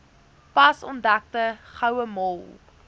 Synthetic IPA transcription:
pɐsɔ̰ndæk̚təχɐwəmɔlˠ

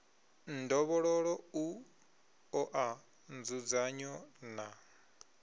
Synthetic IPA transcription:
ndɔβɔɺɔɺɔu | ɔʔa | nd͡zud͡zaɲɔna

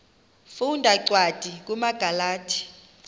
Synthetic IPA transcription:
fundʱaǀʱwad̥ʱik̬umaɡ̥ʱalaːtʰi̥

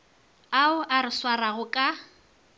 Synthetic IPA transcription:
aʊʔaɾɪswaraɣʊkʼa

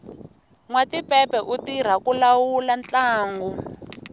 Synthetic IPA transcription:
ŋwatipɛpɛʔutiɾ̤akulawulant͡ɬaːŋɡɔ

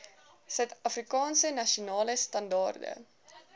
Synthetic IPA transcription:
sœɥtɐfrikɑːnsənɐʃunɑːləstɐndɑ̰ːrdə̰

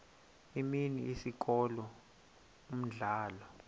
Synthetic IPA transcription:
iminiisik̬ʼɔlɔ | um̩ɮaːlɔ

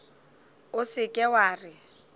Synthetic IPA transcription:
ʊsɪkʼɛwaːrɪ

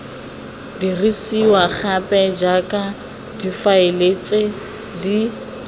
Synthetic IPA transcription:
dirisiwaχapʼɛd͡ʒakʼa | difaɪlet͡sʼe | di

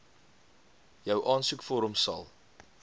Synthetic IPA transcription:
jœwʔɑːnsukfoːɾɔmsɐ̰lˠ

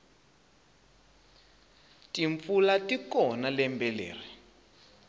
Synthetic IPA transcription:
tiɱfulatikɔnalɛmbɛlḛːri

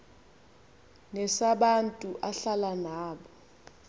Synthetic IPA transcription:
ŋɛsaɓantʼuʔaɬalanaːɓɔ

